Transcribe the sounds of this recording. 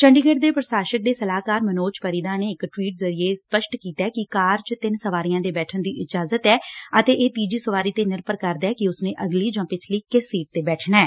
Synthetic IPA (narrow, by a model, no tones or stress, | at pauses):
t͡ʃəɳɖiɡəɖd̪eːpɾəsaːʃək̚d̪eːsəlaːkaːɾmənoːt͡ʃpəɾiːd̪aːneːɪkʈʋiːʈzəɾieːspəʃʈkiːt̪ɛːkɪkaːɾt͡ʃət̪ɪnsəʋaːɾijãːd̪eːbɛːʈʰənd̪iːʔɪd͡ʒaːzət̪ɛːət̪eːʔeːt̪iːd͡ʒiːsəʋaːɾiːt̪eːnɪɾpəɾkəɾd̪ɛːkɪʊsnẽːʔəɡliːd͡ʒãːpɪt͡ʃʰləiːkɪsːiːʈ̚t̪eːbɛːʈʰnaɛː